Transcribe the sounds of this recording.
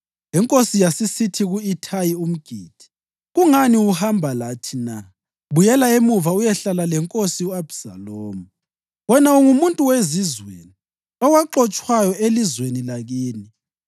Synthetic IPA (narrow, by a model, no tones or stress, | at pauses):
ɛŋkʼosijasisitʰiɣuitʰajium̩ɡ̥ʱiːd̥ʱi̥ | ɣuŋaniuhambʱalatʰina̰ | βujɛlaemuvaujɛɬalalɛŋkʼosiuab̥sa̰loːmu | wɛnauŋumuntʼuwezizwḛni | ɔɣwaǃɔt͡ʃʼwajɔelizwenilaɣiːni